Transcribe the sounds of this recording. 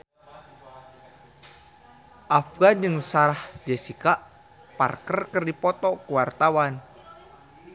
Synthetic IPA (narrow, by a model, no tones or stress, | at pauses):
ʔafɡand͡ʒɨŋsaɾahd͡ʒɛsikaʔ | pa̰rkərkərdipɔt̪ɔkuwart̪awan